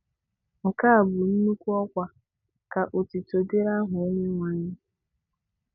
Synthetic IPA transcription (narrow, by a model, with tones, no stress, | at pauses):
ŋ̩˨ka˦a˨bʊ˨n̩˦nu˦kʷu˦ɔ˦kʷa˨ | ka˨ʔo˨ti˨to˨de˦ɾa˦ɦʊ˨˦ne˦ŋʷa˦ɲɪ˦